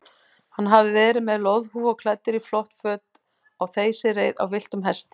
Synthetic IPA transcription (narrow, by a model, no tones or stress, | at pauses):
hanːɦavðɪvɛːɾɪmɛðlowðhuɔɣkʰlɛt̪ːɪɾiflɔht̪fœːt̪ | awθeːjsɪreːjða̰wvɪl̥t̪ʏmɦɛst̪